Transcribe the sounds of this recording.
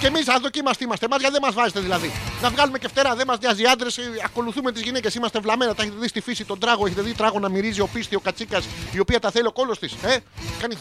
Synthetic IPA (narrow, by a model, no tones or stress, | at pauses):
ce̞misɐðocimɐst̪imɐst̪emɐzʝɐðemɐzvɐzet̪eðilɐðinɐvɣɐlume̞ceft̪e̞ɾɐðemɐzɲɐziɐnd̪ɾe̞sɐko̞luθumet̪izʝinece̞simɐst̪evlɐme̞nɐt̪ɐeçet̪eðist̪ifisit̪o̞nd̪ɾɐɣo̞eçet̪eðit̪ɾɐɣo̞nɐmiɾizio̞pist̪io̞kɐt͡sikɐsio̞piɐt̪ɐθe̞lio̞ko̞lo̞st̪ise̞kɐni